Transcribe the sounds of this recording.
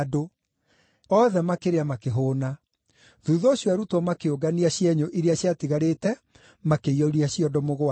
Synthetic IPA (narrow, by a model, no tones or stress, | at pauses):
do | ɔðɛmakeɾeamakeɦoːna | ðuðɔːɕjɔaɾutɔmakeoɡaniaɕjɛɲoʔiɾeaɕjatiɣaɾetɛ | makeiɔɾiaɕiɔdɔmoɣoa